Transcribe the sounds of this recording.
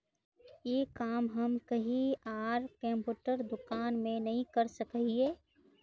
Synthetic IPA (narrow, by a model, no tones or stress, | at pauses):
jeːkaːmɦɐmkɐɦiaːɾkɛ̃mpuːʈəɾd̪ʊkaːnmẽnɐɦĩkɐɾsəkɦieː